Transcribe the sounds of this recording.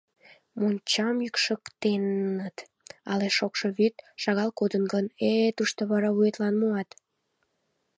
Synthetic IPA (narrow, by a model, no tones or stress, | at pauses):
monʲt͡ɕɑmjykʃəkt̪enːət̪ | ɑleʃokʃoβyt̪ʃɑɣɑlkod̪ənɡənet̪uʃt̪oβɑɾɑβujet̪lɑnmuɑt̪